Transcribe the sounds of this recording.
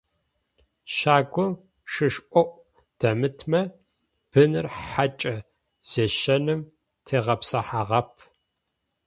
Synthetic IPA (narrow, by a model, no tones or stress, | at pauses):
ʃaːɡʷʊ | ʂɨʂʔʷɔʔʷʼ | d̥ɐmɨtʰmɐ | b̥ɨnɨrħat͡ʃʼɐ | z̥eʃɐnɨm | tʰeːʁɐpsɐħaːʁɐpʰ